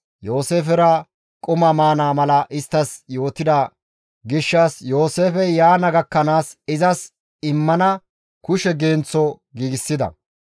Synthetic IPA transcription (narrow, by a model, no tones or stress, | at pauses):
jo̞ːse̞ːfɛɾɐ | kʼʊmɐmaːnaːmɐlɐʔɪst̪ːɐsjo̞ːt̪ɪd̪ɐ | ɡɪʃːasjo̞ːse̞ːfɛjaːnɐɡɐkːɐnaːsɪzɐs | ɪmːɐnɐ | kʊʃɛɡeːnt͡sːɔ | ɡiːɡɪsːɪd̪ɐ̰